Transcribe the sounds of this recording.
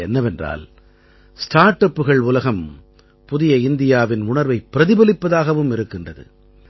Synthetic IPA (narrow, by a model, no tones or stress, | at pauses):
ɛnːɐʋɛndra̰ːl | sʈaːɾʈːɐpːɯɣɐɭʊlɐɣɐm | pʊðɪjɐɪnd̪ɪjaːʋɪnʊɳɐɾʋɐɪpːɪɾɐðɪbɐlɪpːɐðaːɣɐʋɯmɪɾɯkːɪndrɐðɯ̰